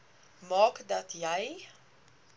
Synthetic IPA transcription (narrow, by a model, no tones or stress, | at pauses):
mɑːkdɐtʰjɛj